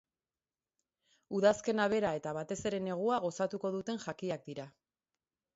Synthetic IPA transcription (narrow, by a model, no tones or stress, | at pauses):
uðaske̞naβ̞e̞ɾae̞t̪aβat̪e̞se̞ɾe̞ne̞ɣ̞uaɣ̞o̞sat̪uko̞ðut̪e̞nʝakiak̚d̪iɾa